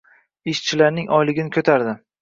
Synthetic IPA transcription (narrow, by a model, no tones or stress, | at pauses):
ɪʃt͡ʃʰɪlaɾnɪŋʔɒjlɪɡʲɪnɪkʰɵt̪ʰaɾd̪ɪ